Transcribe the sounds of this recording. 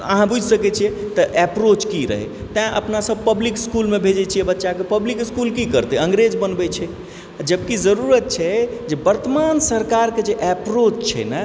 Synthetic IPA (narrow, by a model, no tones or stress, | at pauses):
ə̰ɦãbud͡ʒʱsəkɛt͡ʃʰijɛt̪əʔɛpɾot͡ʃkiɾə̰ɦɛ̰t̪ɛ̃ʔə̰pnasəb̚pəblikskulmebʱed͡ʒɛt͡ʃʰijɛbətːʃakepəblikskulkikəɾt̪eə̃ŋɡɾed͡ʒbənbɛt͡ʃʰɛ | d͡ʒəb̚kizəɾuɾət̪̚t͡ʃʰɛd͡ʒebəɾt̪əmansəɾkaɾked͡ʒeʔɛpɾot͡ʃt͡ʃʰɛ̰nə